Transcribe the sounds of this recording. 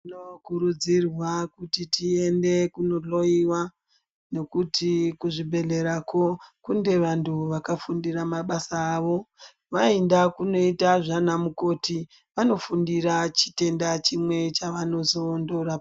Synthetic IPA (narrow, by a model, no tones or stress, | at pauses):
tinokuɾud͡zirwakutitie̞nde̞kuno̞ɮo̞iwa | no̞kutʰikuʐibʱe̞ɮe̞ɾako̞kunde̞ʋantʰuʋakafundiramaɓasaːʋo̞ | ʋaendakuno̞itaʐanamuko̞ːti | ʋano̞fundiɾat͡ʃi̥te̞ndat͡ʃimwe̞t͡ʃaʋano̞zo̞ːndo̞ɾa